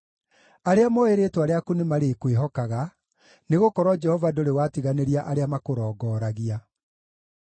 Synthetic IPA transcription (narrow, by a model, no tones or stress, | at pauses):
aɾeamɔeɾeːtwaɾeakunemaɾekweɦɔkaɣa | neɣokɔɾwɔd͡ʒɛhɔvadoɾewatiɣaneɾiaʔaɾeamakoɾɔːɡɔːɾaɣia